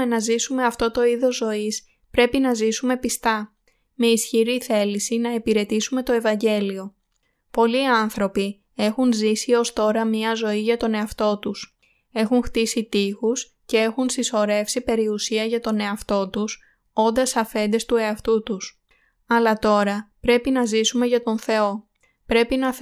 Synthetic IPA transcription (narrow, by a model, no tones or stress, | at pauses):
enɐzisume̞ɐft̪o̞t̪o̞iðo̞zːo̞is | pɾe̞pinɐzisume̞pist̪ɐ | me̞isçiɾiθe̞lisinɐepiɾe̞t̪isume̞t̪o̞e̞vɐɲɟe̞lio̞ | po̞liɐnθɾo̞pi | e̞xunzisio̞st̪o̞ɾɐmɲɐzo̞iʝɐt̪o̞ne̞ɐft̪o̞t̪us | e̞xuŋxt̪isit̪ixus | ce̞e̞xunsiso̞ɾe̞fsipe̞ɾiusiɐʝɐt̪o̞ne̞ɐft̪o̞t̪us | o̞nd̪ɐsɐfe̞nd̪e̞st̪ue̞ɐft̪ut̪us | ɐlɐt̪o̞ɾɐpɾe̞pinɐzisume̞ʝɐt̪o̞nθe̞o̞ | pɾe̞pinɐ